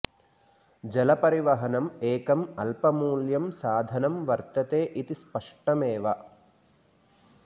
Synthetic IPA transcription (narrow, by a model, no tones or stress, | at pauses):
d͡ʒɐlɐpɐɾiʋɐɦɐnɐmeːkɐmɐlpɐmuːljɐmsaːd̪ʱɐnɐmʋɐɾt̪ɐt̪eːʔit̪ispɐʂʈɐmeːʋɐ